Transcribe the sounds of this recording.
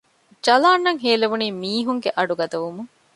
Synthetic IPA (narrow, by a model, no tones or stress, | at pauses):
d͡ʒɐlaːnːɐŋɦeːleʋuniːmiːɦuŋɡeʔɐɖuɡɐd̪ɐʋumuŋ